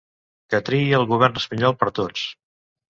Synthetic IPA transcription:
kət̪ɾiiəlˠɣuβɛrnəspəɲɔlˠpəɾt̪ot͡s

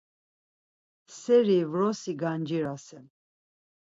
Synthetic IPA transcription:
sɛɾivɾɔsiɡand͡ʒiɾasɛm

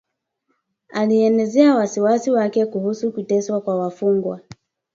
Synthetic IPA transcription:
aliɛnɛzɛawasiwasiwakɛkuhusukutɛswakwawafuŋɡwa

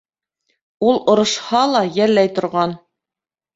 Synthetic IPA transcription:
ulˠŏɾɤ̆ʃhɑlˠɑjælːæjt̪ŏɾʁɑn

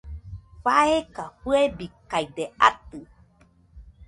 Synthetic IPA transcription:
faekaɸuebikajd̪eat̪ɨ

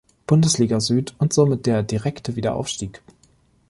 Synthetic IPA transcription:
b̥ʊndəsliːɡɐzyːtʊntz̥oːmɪt̚d̥eːɐdiʁɛktʰəviːdɐ̰ʔa̰ʊfʃtiːk

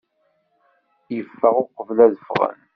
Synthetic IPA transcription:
jəfːəʁoqəvlæðəfʁə̰n

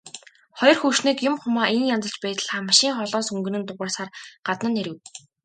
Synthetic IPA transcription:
χɔjɞ̆rxuʃniːkjʊmχʊmaːʔenjant͡sə̆ɮt͡ɕpæːt̪̆ɮʁaːmaʃiːŋχɔɮɔːsɵŋɡɘ̆nɘ̆nt̪ʊʁəːsaːrɢ̥at̪nə̆nːeɾɘ̆w

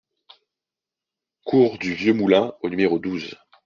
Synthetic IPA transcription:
kʰuʁd̪yvjømulɛ̃onymeʁod̪uz

